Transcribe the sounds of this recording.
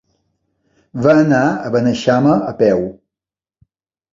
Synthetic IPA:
vəːnaəβənəʃaməəpɛw

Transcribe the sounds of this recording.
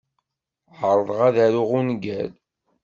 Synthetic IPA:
ʕəɾˤðˤʁaðæɾʊʁunɡæl

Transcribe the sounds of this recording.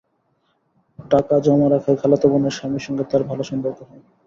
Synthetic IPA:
ʈakad͡ʑɔmaɾakʰaekʰalat̪oboneɾʃamiʃɔŋɡet̪aɾbʱaloʃɔnd̪ʱat̪oɦɔe

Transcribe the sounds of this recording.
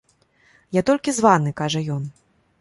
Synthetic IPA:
jat̪ɔlʲkʲizvanɨkaʐɐjɔn

